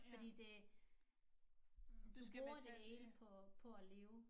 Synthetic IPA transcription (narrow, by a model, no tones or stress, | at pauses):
fɒ̽d̥ḭːd̥e̝ | d̥usɡ̥æoɐd̥eeːlpʰɒ̽pʰɒ̽æle̝ːʊ